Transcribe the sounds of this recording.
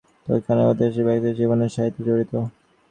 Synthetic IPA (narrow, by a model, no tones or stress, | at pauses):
t̪o̰jkʰaneot̪eʃ̬ibɛkt̪eɾd͡ʑiboneɾʃaɦit̪ːid͡ʑoɾit̪o